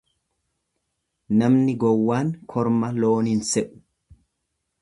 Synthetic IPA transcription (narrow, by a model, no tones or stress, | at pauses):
nɐmnɪɡɔwːaːŋkʰɔɾmɐloːnɪnsɛʔʊ̥